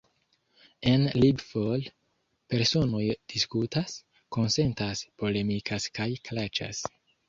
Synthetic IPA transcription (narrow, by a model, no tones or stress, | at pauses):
enlibfol | pe̞ɾso̞no̞jd̥iskutas | ko̞nse̞ntaspo̞le̞mikʰaskajklat͡ʃa̰s